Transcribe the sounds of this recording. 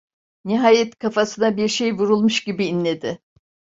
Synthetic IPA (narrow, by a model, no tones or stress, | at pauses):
niɦaːjɛt̪kʰafasɯnabiɾʃe̞jvuɾulˠmuʃɟibiːnlʲe̞d̪ɪ